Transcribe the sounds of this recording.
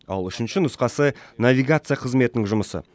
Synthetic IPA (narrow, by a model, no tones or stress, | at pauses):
ɑ̰lˠʏʃɪnʃɪnʊsqɑsənavʲiɡat̪sɨjaqʰəzme̞t̪ɪnɪŋʒʊməsə̰